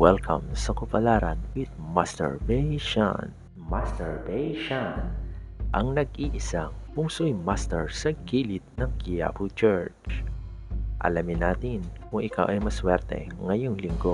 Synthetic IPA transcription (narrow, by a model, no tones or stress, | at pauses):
wɛlkʰɐ̰msɐkʊpɐlaːɾɐnwɪd̪̚mast̪ɛ̰ɹbɛʃa̰n | mast̪ɛɹbejʃanʔɐŋnɐɡ̚ʔiːʔɪsaŋkʊŋsʊjmast̪ɛɹsɐɡiːlɪt̪̚nɐŋkɪja̰put͡ʃɛɹt͡ʃ | ʔɐ̰lamɪnaːt̪ɪnkʊŋʔɪkawʔɐjmɐswɛɾt̪ɛ̰ŋɐjoŋlɪŋɡo